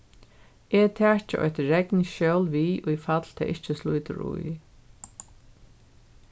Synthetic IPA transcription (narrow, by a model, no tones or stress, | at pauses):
ɛt̪ʰɛːɹt͡ʃɪ̰ʔɔ̰jht̪ɹɛknʃœwlʋiːʔujfat̪l̥t̪ʰɛ̰ːʔɪht͡ʃɪsluːt̪ɪ̰ɾṵj